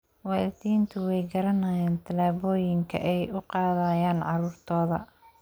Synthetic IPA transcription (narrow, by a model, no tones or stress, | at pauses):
wɑːlɪt̪iːnt̪ʰʊwɛjɡɐɾɐnaːjaːnt̪ʰɐlaːβɔːjɪŋkʰɐ̰ʔɛjʊqɑːðajaːnʕɑɾuːrt̪ʰɔːðɐ̰